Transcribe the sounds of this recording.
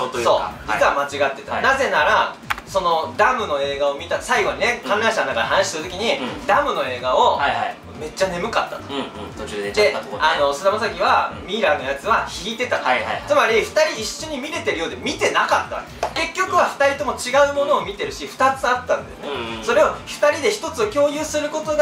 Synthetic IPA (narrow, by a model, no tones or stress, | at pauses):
so̞ːd͡ʑit͡sβamat͡ɕiɡat̪ːe̞t̪anaze̞naɾa | so̞no̞d̪amɯ̟no̞e̞ːɡao̞mʲit̪asaiɡo̞ɲine̞kãnɾãɰ̃ɕanonakad̪eɦanaɕi̥t̪eɯt̪o̞kʲiɲ̟id̪amɯ̟no̞e̞ːɡao | me̞t͡ɕːane̞mɯ̟kat̪ːḁt̪o̥ | t̪ːd̪eano̞sɨd̪amasak̬ʲiβamʲiɾano̞jat͡sɨβaçiit̪e̞t̪at̪t͡sɨmaɾʲiɸɯ̟̥t̪aɾʲiːɕːo̞ɲ̟imʲiɾe̞t̪e̞ɾɯ̟jo̞ːd̪e̞mʲit̪e̞nakat̪ːaβa̰ | ke̞kʲːo̞kɯ̟βaɸɯ̟̥t̪aɾʲit̪o̞mo̞t͡ɕiɡaɯ̟mo̞no̞ːmʲit̪e̞ɾɯ̟ɕiɸɯ̟̥t̪at͡sɨat̪ːãnd̪e̞sɨneso̞ɾe̞oɸɯ̟̥t̪aɾʲid̪e̞çi̥t̪o̞t͡sɨokʲo̞ːjɯ̟ːsɨɾɯ̟ko̞t̪o̞ɡ